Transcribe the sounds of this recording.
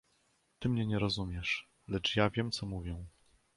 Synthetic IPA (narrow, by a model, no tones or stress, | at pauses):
t̪ɘmɲɛɲɛɾɔzumʲjɛʂ | lɛt͡ʂjavʲjɛmt̪sɔmuvʲjɛw̃